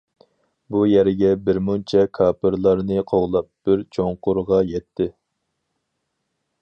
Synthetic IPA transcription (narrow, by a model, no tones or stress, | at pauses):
bujɛɾɪɡʲɛbɪɾmunt͡ʃʰɛkʰɑːpʰɨɾlˠɑɾnɨqʰoʁlˠɑp̚b̥ɪɾt͡ʃʰoŋqʊɾʁɑjɛt̪ʰːɪ